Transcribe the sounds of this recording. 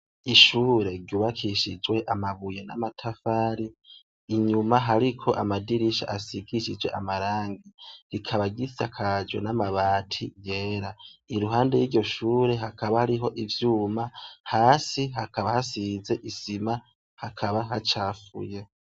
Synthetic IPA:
iʃuːɾe̞ɡɟuːβakʰiʃid͡ʒwe̞ʔamaβujena̰matʰafaːɾiː | ɲumaɦaɾikʰo̞ʔamadiɾiʃa̰ʔasiɡiʃid͡ʒwe̞ʔamaɾaːŋɡiɾikʰaβaɡitakʰad͡ʒwḛnamaβaːtʰḭjeːɾaiɾuɦaːnde̞jiɾɟo̞ʃuːɾe̞ɦakʰaβahaɾiɦo̞ʔivjuːmahaːsiɦakʰaβahasize̞ʔisima | hakʰaβaɦat͡ʃaːfṵje̞

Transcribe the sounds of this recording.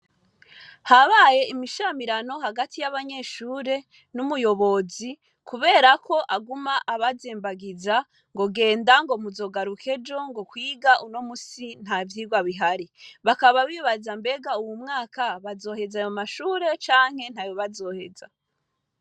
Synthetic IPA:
haβaje̞imiʃamiɾano̞ɦaɡatijaβaɲe̞ːʃuːɾe̞ | numujo̞βo̞zi | kʰuβe̞ːɾakʰo̞ʔaɡumaʔaβazeːmbaɡiza | ŋɡo̞ɡe̞ːndaŋɡo̞muzo̞ɡaɾukʰe̞d͡ʒo̞ŋɡo̞kwiːɡaʔuno̞musin̥havjiːɡwaβiɦaɾiβakaβaβiβazambe̞ɡauwumŋaːkaβazo̞ːɦe̞zajomaʃuːɾe̞t͡ʃaːŋ̥he̞n̥haːjoβazo̞ːhe̞za

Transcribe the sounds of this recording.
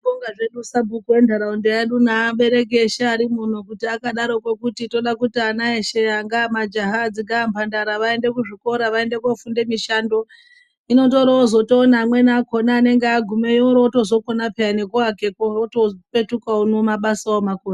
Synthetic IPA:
koŋɡaʐe̞ɗusabʱukuendaɾaundeeɗunaːɓe̞ɾe̞k̬e̞ʃaaɾimun̤ukutiakaɗaɾo̞kwe̞kutito̞ɗakutianaeʃeaŋɡamad͡ʒaɦad͡ziɡampʰandaɾaʋae̞nde̞kuʐiko̞ɾaʋae̞nde̞kafunde̞miʃando̞ | ino̞to̞ɾoozo̞toːnaːmwe̞naːko̞naːne̞ŋɡeaɡʱumeioɾoːto̞zo̞konapeane̞kuake̞kooto̞pe̞tukaonomaɓasaomakoːra

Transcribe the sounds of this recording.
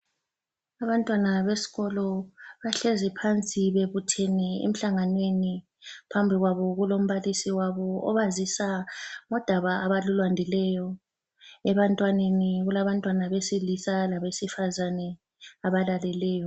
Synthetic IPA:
aβantʼwanaβesi̥ɣɔlɔβaɬezipʰant͡sʼiβeβutʰeniḛm̩ɬaŋanweni | pʰambʱiɣwaβɔɣulom̩βalisiwaβɔɔβazisaŋɔd̥ʱaβaːβalulwandʱilɛjɔ | ɛβantʼwaneniɣulaβantʼwanaβesilisalaβesifazanɛ | aβalalɛlɛːjɔ

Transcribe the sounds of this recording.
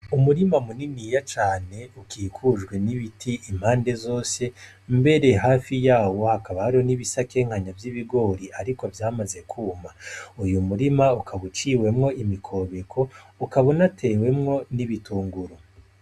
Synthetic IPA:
umuɾimamuninijat͡ʃaːne̞ukiːkʰuʒɡwe̞niβitʰiʔːm̥haːnde̞zo̞ːse̞ | mbe̞ɾe̞ɦaːfijaːwo̞hakaβahaɾiho̞niβisake̞ŋ̥haɲavjiβiɡo̞ːɾiʔaɾikovjaːmaze̞kʰuːmaujumuɾimaukʰaβut͡ʃiwe̞mŋo̞imikʰo̞βe̞kʰo̞ukaβo̞natʰe̞ːwe̞mŋo̞niβituːŋɡuɾo

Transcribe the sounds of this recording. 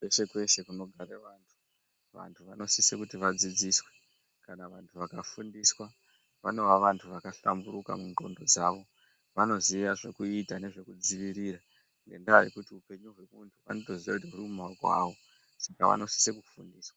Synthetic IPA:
wese̞kwe̞se̞kuno̞ɡʱaɾeʋaːntʰu̥ | ʋa̰ntʰuʋano̞sisekutiʋad͡zid͡ziswe̞ | kanaʋantʰuʋakafundiswa | ʋano̞ʋaʋantʰuʋakaɬa̰mbuɾuka̰muŋɡo̞̰ndo̞d͡zaʋo̞ | ʋano̞ziʋaʐe̞kuitane̞ʐe̞kud͡ziʋiɾiɾa | ŋɡe̞ndaajḛkutiupe̞ɲuɦwe̞untʰuʋa̰no̞to̞ziʋa̰kutiɦurumaɡʱwa̰ʋo̞ | saka̰ʋa̰no̞si̥sekufundiːswa

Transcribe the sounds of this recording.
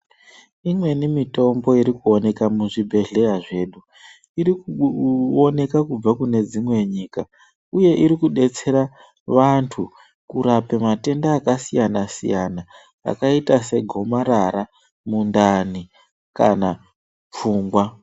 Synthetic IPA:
imwe̞nimito̞mbo̞iɾikuo̞ne̞kamuʐibʱe̞ɮe̞jaʐe̞ːɗu | iɾikuo̞ne̞kakub͡vakune̞d͡zimwe̞ɲiːka | uje̞ʔiɾikuɗe̞t͡se̞ɾa | ʋantʰu | kuɾape̞mate̞ndaːkasijanasḭjana̰ː | kaitase̞ɡʱo̞maɾaɾa | mundani | ka̰na | p͡fuːŋɡwa

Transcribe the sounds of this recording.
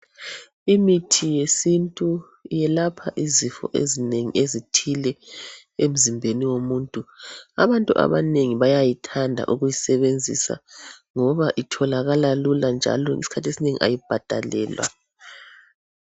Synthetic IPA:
imitʰijesintʼu | jɛlapʰaʔizifɔ̰ʔḛzineŋḭezitʰilɛ | em̩zimbʱeniwomuːntʼua̰βantʼuʔa̰βaneŋiβajajitʰandʱa̰ʔuɣujisɛβend͡zʱḭsa̰ŋɔβaʔitʰɔlaɣalaluland͡ʒʱa̰lɔisi̥kʰatʰesineŋḭʔa̰jib̥ʱad̥ʱalɛːlwa̰

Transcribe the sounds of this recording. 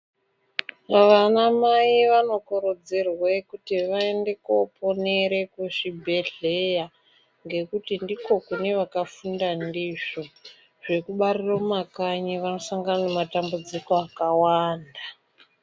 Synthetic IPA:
ʋanamaiʋano̞koɾod͡zerwekutiʋaende̞kopo̞ne̞ɾe̞keʐibʱe̞ɮeja | ŋɡe̞kutindiko̞kune̞ʋakafundandiʐo̞ | ʐ̥e̞kuɓariromakaɲiʋano̞saŋɡananematambud͡zikoakawaːnda

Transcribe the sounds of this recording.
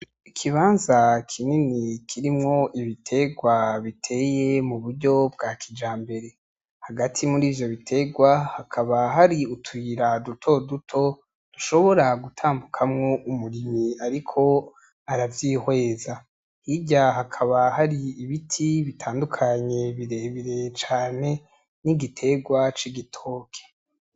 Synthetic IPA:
ikʰiβaːnzakʰininikʰiɾimŋo̞ʔiβitʰe̞ɡwaβitʰe̞ːje̞muβuɾɟo̞b̚ɡaːkʰid͡ʒaːmbe̞ɾe̞ | haɡatʰimuɾiːvjo̞βitʰe̞ɡwahakʰaβaɦaɾiutʰwiːɾadutʰo̞dutʰo̞ | d̥uʃo̞βo̞ɾaɡutʰaːmbukʰamŋo̞ʔumuɾimiaɾikʰo̞ | aɾavjiːhwe̞ːza | hiɟaɦakʰaβahaɾiːβitʰiβitʰaːndukʰaɲe̞βiɾe̞βiɾe̞t͡ʃaːne̞ | niɡitʰe̞ɡwat͡ʃiɡitʰo̞ːkʰe̥

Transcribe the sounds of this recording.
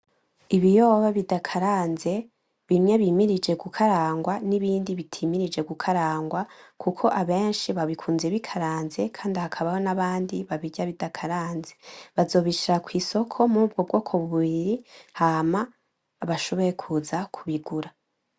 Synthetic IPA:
iβijo̞ːβaβidakʰaɾaːnze̞ | βimɲe̞βimiɾid͡ʒe̞ɡukʰaɾaːŋɡwaniβiːndiβitʰiːmiɾid͡ʒe̞ɡukʰaɾaːŋɡwakʰukʰo̞ʔaβe̞ːnʃiβaβikʰuːnzeβikʰaɾaːnze̞kʰaːndihakʰaβaho̞naβaːndiβaβiɟaβidakʰaɾaːnzeβazo̞ːβiʃiɾakwiːso̞kʰo̞mub̚ɡo̞bɡo̞ːkʰoβuβiɾihamaː | βaʃo̞βo̞je̞kʰuzakʰuβiɡuɾa

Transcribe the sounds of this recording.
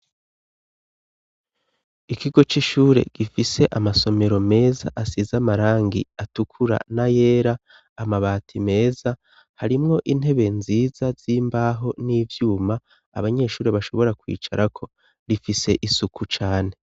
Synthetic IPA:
ikiɡo̞t͡ʃiʃuːɾe̞̰ɡ̥ifise̞ʔamaso̞me̞ɾo̞me̞ːzaʔasizamaɾaːŋɡḭatukʰuɾa̰naje̞ːɾaː | maβaːtʰime̞ːza | haɾimŋo̞ʔin̥he̞βe̞nziːz̥az̥iːmbaːɦo̞niːvjuːma̰ː | βaɲe̞ːʃuːɾeβaʃo̞βo̞ɾakwḭːt͡ʃa̰ɾakʰo̞ | ɾifise̞ʔisukʰut͡ʃaːne̞

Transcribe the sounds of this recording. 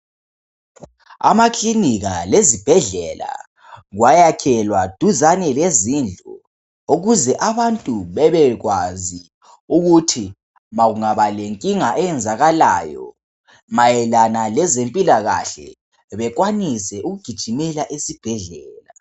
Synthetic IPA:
a̰makʰliniɣalezib̥ʱɛɮɛla̰ | ɣwajakʰɛlwad̥ʱuzanɛlezind͡ɮʱɔ | oɣuzɛʔaβantʼuβɛβɛɣwazi | uɣutʰi | maɣuŋaβaleŋkʼiŋaʔɛjɛnd͡zʱaɣala̰ːjɔ̰ | majɛlanalɛzempʼilaɣa̰ɬɛ̰ | βɛk̬wanisɛʔuɣuɡ̥ʱid̥ʒ̥ʱimɛlaʔesib̥ʱɛɮɛːla

